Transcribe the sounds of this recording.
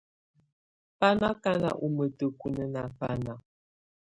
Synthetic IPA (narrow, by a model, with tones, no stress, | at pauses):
pa˦na˦ka˦na̰˨ʔu˨mə˨tə˨ku˨nə˦na˨pa˦na˨